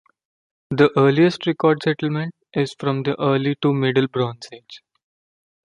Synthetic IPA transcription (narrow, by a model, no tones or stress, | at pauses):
d̪əʔəːliesʈɾekɔːɾɖsɛʈəlmẽɳʈ̚ | ɪz̥fɾɔ̃md̪əʔəːɾliʈumeɖəlbɾɔ̃ːnsed͡ʒ